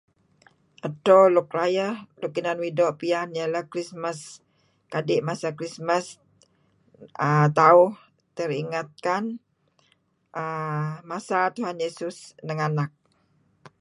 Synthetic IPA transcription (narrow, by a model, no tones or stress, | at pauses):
ʔatɔlɔk̚ɾajəhlukinanwidɔʔpianjalahkɾisməs | kadɪʔmasakɾismas | ət̪aʊh | t̪əɾiŋat̪̚kan | ʔəmasat̪uɦanjesʊsnəŋanak̚